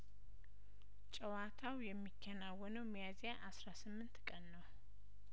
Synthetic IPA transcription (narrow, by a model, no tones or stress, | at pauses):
t͡ʃʼɛwat̪ʰawjɛmːikʰːənawːɔnəwmjazjaʔasɾasɨmːɨnt̪kʼənːəw